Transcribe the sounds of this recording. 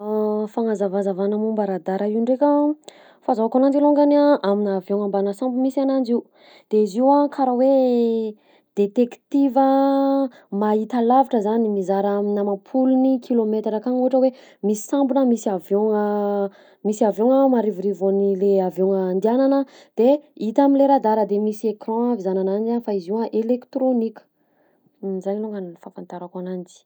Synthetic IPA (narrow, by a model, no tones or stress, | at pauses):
faŋazavazavanəmumbəɾad̪aɾʔaiuɳɖ͡ʐekʲə | fazaakanand͡ʒiluŋɡaniaʔaminːvjoŋambanasambumisianand͡ʒiu | d̪̥eiziwakʰaɾawe | d̪̥et̪ekt̪ivə | mait̪alavaʈ͡ʂəzanimizaɾaminəmapʰulunikʰilomet̪ɾakaŋuɦaʈ͡ʂəwe | misi̥sambunəmisiavoŋə | misiavjoŋəmaɾivuɾivanileavoŋənd̪iananə | d̪̥eit̪aminleɾad̪aɾəd̪emisiekrɔ̃avizananand͡ʒanfaiziwaʔelekt̪ɾonikʲə̥ | zaniluŋɡanifãfãnt̪aɾakanand͡zi̥